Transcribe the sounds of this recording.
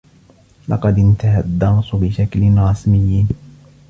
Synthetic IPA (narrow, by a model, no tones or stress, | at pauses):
lɑ̰qɑd̪ɪnt̪aɦad̪ːɑmsʊbɪʃaklɪnɾˤɑsmɪjː